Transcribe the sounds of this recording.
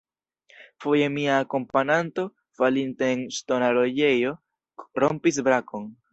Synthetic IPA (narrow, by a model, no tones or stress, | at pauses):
fo̞je̞miaːko̞mpananto̞ | falinte̞ːnsto̞naɾo̞je̞jo̞ | ɾompis̬bɾako̞n